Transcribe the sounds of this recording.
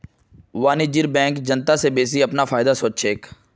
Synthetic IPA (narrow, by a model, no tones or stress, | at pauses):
ʋaːnid͡ʒiɾbɛ̃ːŋkd͡ʒənt̪asebeːs̬iɐpnafʰaːɪd̪asoːt͡ʃʃeːk